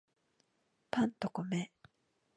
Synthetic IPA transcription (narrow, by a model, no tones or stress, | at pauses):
pʰãnt̪okome